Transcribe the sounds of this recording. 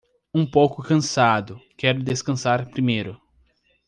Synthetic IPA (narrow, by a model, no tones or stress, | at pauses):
ũpowkʊkɐ̃sad̪ʊkɛɾʊd̪eskɐ̃saɾpɾimejɾʊ